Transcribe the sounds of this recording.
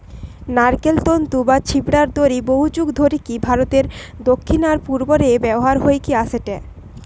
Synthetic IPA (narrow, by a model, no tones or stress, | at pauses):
naɾkelt̪ont̪ubat͡ɕʰibɽaɾd̪oɾiboɦud͡ʑuɡd̪ʱoɾikibʱaɾot̪eɾd̪okʰːinaɾpuɾboɾebɛboɦaɾɦoekiaseʈɛ